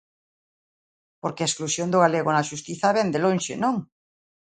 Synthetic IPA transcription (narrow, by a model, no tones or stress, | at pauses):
poɾkeaesklusjond̪ʊɣaleɣonaʃust̪iθaβɛnd̪elõnʃenõŋ